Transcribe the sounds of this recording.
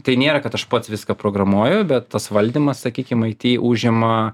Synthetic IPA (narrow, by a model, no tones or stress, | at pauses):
t̪ɐɪnʲeːɾɐkɐt̪ɐʃpɐt̪sʋʲɪskɐpɾoːɡɾɐmuɔjɛʊbʲɛt̪t̪ɐsʋɐlʲd̪ʲiːmɐssɐkʲiːkʲɪmɐɪt̪ʲiːʔuːʒʲɪmɐ